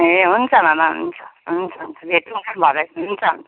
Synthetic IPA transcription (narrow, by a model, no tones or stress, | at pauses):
eɦunt͡sʰʌmamaɦṵnt͡sʰʌ̥ɦunt͡sʰʌɦunt͡sʰʌbʱeʈunkanbʱʌɾʌjɦunt͡sʰʌɦṵnt͡sʰʌ